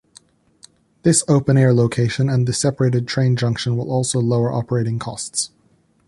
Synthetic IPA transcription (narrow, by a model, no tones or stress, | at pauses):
ðɪsoʊpɨ̃nɛɹloʊkʰeɪʃɨ̃nɨ̃nðɨsɛpə˞eɪɾɨd̚tʰɹ̥ẽɪ̃nd͡ʒʌ̃ŋkʃə̃nwə̰lˠɔlˠsoʊloʊə˞ʔɑ̰pə˞eɪɾɪ̃ŋkʰɔsts